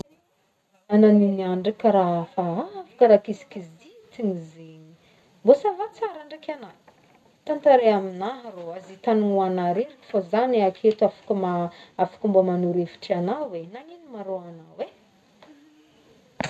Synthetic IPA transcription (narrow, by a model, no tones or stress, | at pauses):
ananiniaɳɖ͡ʐakəɾafaafḁkəɾakisi̥kiz | it͡s̪iŋizeɲi | mbosavat͡saɾaɳɖ͡ʐakana | t̪ant̪aɾeaminaɦroazit̪anuŋuanaɾeɾiki̥fozanakʰet̪afḁkumaafḁkumbomanuɾefi̥ʈ͡ʂianawenaŋinimaɾoanawe